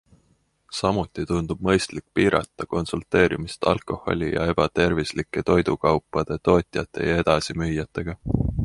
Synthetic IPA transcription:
sɑmut̪ˑːit̪und̪̥ub̥̚mɤ̞jst̪likːˑpiːɾɑ̰t̪ːˑɑko̞nsult̪e̞ːɾimist̪ɑ̰lkˑo̞hˑo̞̰lʲijɑ̰e̞b̥ɑt̪e̞rvislikːˑe̞t̪o̞jd̪ukɑwpːˑɑd̪̥e̞t̪o̞ːt̪ʲˑjɑt̪ːˑe̞̰jɑe̞d̪̥ɑsimyjːɑt̪ːˑe̞ɡ̥ɑ

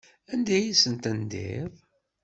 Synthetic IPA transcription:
ænd̪æjisənt̪ænd̪ḭðˤ

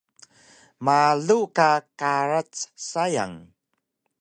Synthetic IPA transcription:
maɮukakaɾat͡ssaja̰ŋ

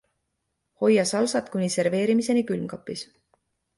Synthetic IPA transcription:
ho̞jːɑsɑlsɑt̪kunʲise̞rve̞ːɾimise̞nikylmkɑpːˑis

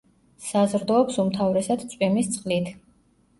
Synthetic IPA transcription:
sazɾd̪ɔːpsumt̪ʰavɾɛsad̪sʼwimist̪sʼχʼlit̪ʰ

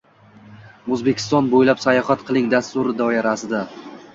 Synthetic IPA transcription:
ozbe̞kʲʰɪ̥st̪ɒnbojlapsajɒhat̪qʰɨlˠɪŋd̪ast̪ʊɾɪd̪ɒɪɾasɪd̪a

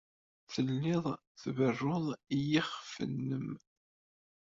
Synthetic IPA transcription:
θəlːɪðˤ | θvərːoðˤijiχfə̰nːəm

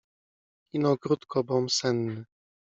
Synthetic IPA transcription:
inɔɡɾut̪kʰɔbɔmsɛnːɘ

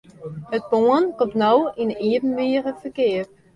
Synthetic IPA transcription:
hət̚poənkɔmtnɔwiniəvən̩ʋɪərəfərkɪər

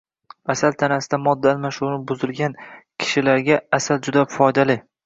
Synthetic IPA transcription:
asalt̪ʰanasɪd̪amɒd̪ːaalmaʃunɪbʊzɪlɡʲankʲʰɪ̥ʃɪlaɾɡʲaasald͡ʒʊd̪afɒjd̪alɪ

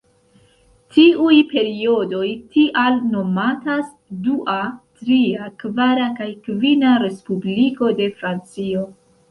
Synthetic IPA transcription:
tiʔujpe̞ɾio̞do̞jtiʔalno̞matas | duʔatɾiakvaɾakajkvinaɾe̞spubliko̞de̞fɾant͡sio̞

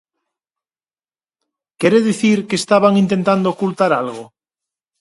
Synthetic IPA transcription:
keɾeðiθiɾkeːst̪aβaŋint̪ent̪and̪oːkult̪aɾalɣo

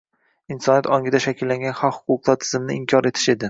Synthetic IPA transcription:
ɪnsɒnjat̪ɒŋɡʲɪd̪aʃakʲɪlːaŋɡʲanχɒqhʊ̥qʰʊqlˠaɾt̪ʰɪ̥zɪmnɪɪmkʲʰɒɾe̞t̪ʰɪ̥ʃe̞d̪ɪ

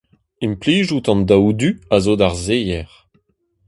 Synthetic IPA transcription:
impliːʒut̪ɑ̃nd̪awd̪yazod̪aʁzejɛʁ

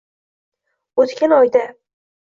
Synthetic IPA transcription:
ot̪kʲanɒjd̪a

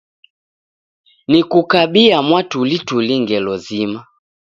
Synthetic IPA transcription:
nikukaɓiamwatulituliŋɡɛlɔzima

